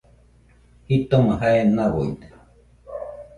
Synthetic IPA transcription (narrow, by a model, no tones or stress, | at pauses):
hit̪oməɦaenaβoḭt̪e̥